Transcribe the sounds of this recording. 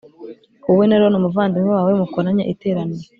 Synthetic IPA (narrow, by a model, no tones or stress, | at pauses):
uwenaɾonomuvaːndimwewaːwemukoɾaɲaʔite̞ːɾaniɾe